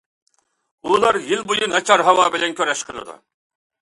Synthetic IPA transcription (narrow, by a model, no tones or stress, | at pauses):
ulˠɑɾjilbojunɑt͡ʃʰɑɾɦɑwɑːbɪlɛnkʲʰøɾɛʃqʰəlˠɨ̰d̪ṵ